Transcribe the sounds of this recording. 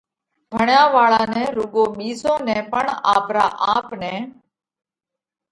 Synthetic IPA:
bʱəɳjãːʋaːɭãːnɛ̃ːɾʊɡõːɓiːzõːnɛ̃ːpəɳaːpɾa̰ːʔaːpnɛ̃ː

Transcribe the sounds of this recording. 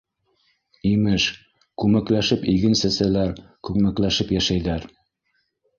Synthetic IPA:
imɘʃ | kʉmæklæʃɘpiɡɘ̆nsæsælæɾkʉkmæklæʃɘpjæʃæjðæɾ

